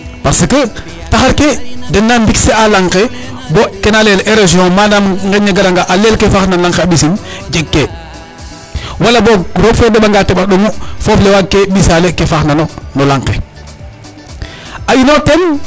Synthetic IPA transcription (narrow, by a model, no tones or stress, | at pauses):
pasəkə | taxaɾkedɛnːambiksealaŋke | bokenaleleɾoziõmanamŋɡɛɲaɡaɾaŋɡaʔalelkefaxnalaŋkeabisind͡ʒeɡːe | walaboɾofɛdebaŋɡatebaɗoŋufɔflewaɡ̚kːebisalekefaxnanonolaŋkḛ | ajinoten